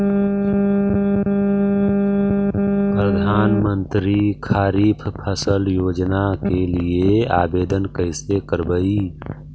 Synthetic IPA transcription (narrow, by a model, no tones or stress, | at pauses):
pɾəd̪ʱaːnmənt̪ɾikʰaːɾiːpʰpʰəsəljoːd͡ʒnakeliea̰ːbeːd̪ənkəɪsekəɾbəi